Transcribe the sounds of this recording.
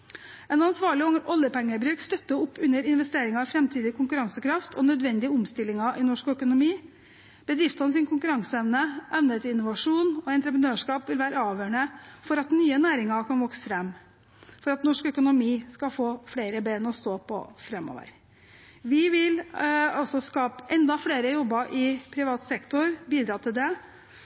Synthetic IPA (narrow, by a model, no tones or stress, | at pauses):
ɛnɑnsʋɑːɭɪɔʔɔlːəpʰɛŋːəbɾʉːkst̪œt̪ːəʊpːʉnːəɾɪnʋɛst̪eːɾɪŋɑfɾɛmt̪ʰiːd̪ɪkʰʊŋkʉɾɑŋsəkʰɾɑft̪ʰɔnœd̪ʋɛnd̪ɪəʊmst̪ɪlːɪŋɑʔɪnɔʂkœkʊnʊmiː | b̥əd̪ɾɪft̪hɑns̬ɪnkʰʊŋkʉɾɑŋsəɛʋnəʔɛʋnət̪ɪnːʊʋɑʂuːnɔɛnt̪ɾəpɾənøːʂkɑːpʋɪlʋæːɾəɑːʋjøːɳəfɔɾɑt̪nyːənæːɾɪŋɑkʰɑnʋɔksəfɾɛmː | fɔɾɑt̪nɔʂkœkʊnʊmiːskɑfoːfɽeːɾəbeːnɔst̪oːpʰɔ̰fɾɛmːɔ̰ːʋə̰ɾ | ʋɪʋɪlɔsɔskɑːpʔɛnd̪ɑfɽeːɾəjɔbːəʔɪpʰɾɪʋɑːt̪sɛkt̪ʊɾbiːd̪ɾɑːt̪ʰɪld̪ɛ